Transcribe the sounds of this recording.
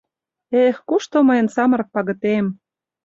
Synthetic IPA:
exkuʃt̪omɤjə̆nsɑmə̆ɾɤ̆k̚pɑɣɤ̆t̪em

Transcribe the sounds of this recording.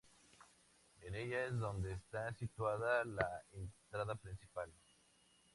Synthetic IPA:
e̞ne̞ʝae̞zðo̞nd̪e̞ːst̪asit̪waðalaent̪ɾaðapɾinsipal

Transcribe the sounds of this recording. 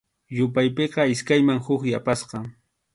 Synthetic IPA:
jʊpajpeqɑɪskajmaŋhʊχjapasqɑ

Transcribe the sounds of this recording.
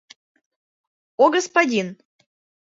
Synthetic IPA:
oɡəspadʲin

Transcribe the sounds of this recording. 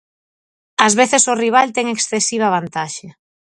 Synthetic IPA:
azβeθesoriβ̞alt̪ɛŋeksθesiβ̞aβ̞ant̪aʃe

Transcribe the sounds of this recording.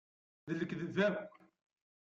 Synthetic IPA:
ðəlːəkðəvæw

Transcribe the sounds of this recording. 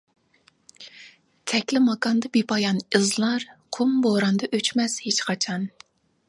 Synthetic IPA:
t̪ʰɛkʲlɪmɑkɑnd̪ɑbipɑjɑnɨzlˠɑɾqʰumboɾɑnd̪ɑʔøt͡ʃmɛz̥het͡ʃqʰɑt͡ʃʰɑn

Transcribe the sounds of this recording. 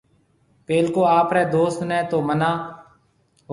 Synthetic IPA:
peːlkoːaːpɾɛːd̪oːst̪nɛ̃ːt̪oːmənaː

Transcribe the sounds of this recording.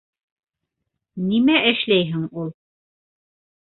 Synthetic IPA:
nimæʔɘ̆ʃlæjɦɘŋulˠ

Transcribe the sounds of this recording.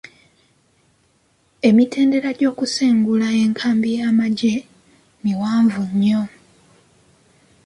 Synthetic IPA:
e̞mitʰe̞ːnde̞ɾaɟo̞ːkuseːŋɡulae̞ŋkʰaːmbijaːmaɟe | miwaːɱvuɲːo̞

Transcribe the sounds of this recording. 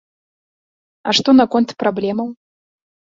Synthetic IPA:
aʂt̪onɐkont̪prablʲɛmɐw

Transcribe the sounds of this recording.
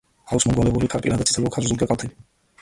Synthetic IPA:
ausmɔɡwɔlɛbulikʰaɾpʼinad̪at̪ʰʼit̪ʰɛlɔkʰaɾzuɾɡɛkʼalt̪ʰɛbi

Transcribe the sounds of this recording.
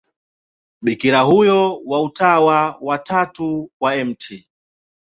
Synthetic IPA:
ɓikiɾaɦujɔwautawawatatuwaɛm̩tʰi

